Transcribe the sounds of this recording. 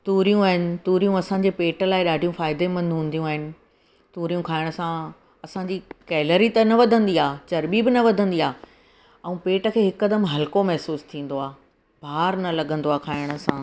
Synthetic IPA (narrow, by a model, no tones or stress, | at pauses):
t̪uːɾijũaːɦɪnɪ̆t̪uːɾijũɐsãːɲd͡ʑeːpeːʈəlaːɪɗaːɖʱijũfaːɪd̪emɐ̃nd̪ɦũːn̆d̪ijũaːɦɪnɪ̆ | t̪uːɾijũkʰaːɪɽ̃əsã | ɐsãɲd͡ʑikɛːləɾit̪ɐnɐʋɐd̪ʱə̃nd̪iaːt͡ɕɐɾɓibɪnɐʋɐd̪ʱə̃nd̪iaː | ɛ̃ũpeːʈə̆kʰeːɦɪkːɐd̪əmɦɐlkomɛɦsuːst̪ʰĩːn̆d̪oaː | bʱaːɾnɐlɐɡʱə̃nd̪oaːkʰaːɪɽ̃ə̆sãː